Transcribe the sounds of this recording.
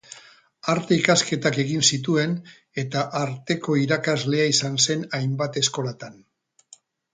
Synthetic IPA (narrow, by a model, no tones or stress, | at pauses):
aɾt̪eikaske̞t̪ake̞ɣinsit̪̬ue̞n | e̞t̪aʔaɾt̪e̞ko̞iɾakazle̞aisanse̞najmbat̪e̞sko̞lat̪an